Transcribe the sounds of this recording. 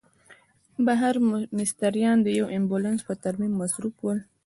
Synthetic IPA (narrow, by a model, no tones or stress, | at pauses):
baɦaɾmɪst̪aɾjɑnd̪əjawɪmbolanspət̪aɾmimːasɾupwəl